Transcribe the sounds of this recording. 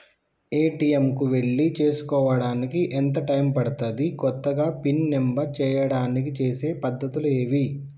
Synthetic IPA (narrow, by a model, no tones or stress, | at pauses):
e̞ːʈiemkuʋeɭːit͡ʃe̞ːsu̥kɔːʋɐɽaːnikiʔent̪̬ɐʈɐjmpɐɽɐt̪ɐd̪ikɔt̪ːɐɡaːpinːembɐɾt͡ʃɛːjɐɽaːnik̬it͡ʃe̞ːse̞ːpɐd̪ːɐt̪uleːʋi